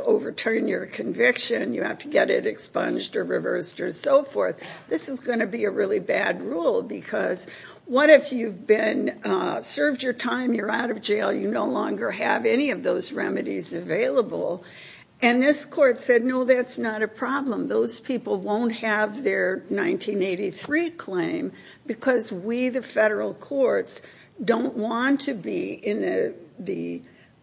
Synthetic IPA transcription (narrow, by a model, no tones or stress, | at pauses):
oʊvə˞tʰɜ̃˞njə˞kʰɨ̃ɱvɪkʃɨ̃njɨhæ̰ftʰɨɡɛɾɪ̰ɾɨkspʌ̰̃nd͡ʒdə˞ɹɨvɜ̰˞stə˞soʊfɔ̰ɹθðɪsɨzɡʌnɨbiɨɹɪlˠibæd̚ɹulˠbɨkʰʌz | wʌɾɨfjʉvbɪ̃nsɜ˞vd͡ʒə˞tʰãɪ̃mjə˞aʊɾʌvd͡ʒeɪlˠjɨnoʊlɔ̰̃ŋɡə˞ɨ̰vɛñiʌvðoʊzɹɛmɨɾizɨveɪlˠəbl̩ˠ | ɨ̃nðɪskʰɔɹtsɛdⁿnoʊðætsnəɾɨpʰɹ̥ɑblə̃mðoʊz̥pʰipl̩ˠwõʊ̃nt̚hɨvðə˞nãɪ̃ntʰĩneɪɾiθɹikʰl̥ẽɪ̃m | bɨkʰʌzwiðɨfɛɾə˞l̩ˠkʰɔɹts | d̥õʊ̃nʔwɑ̃ntʰɨbḭɪ̃nðɨðɨ̰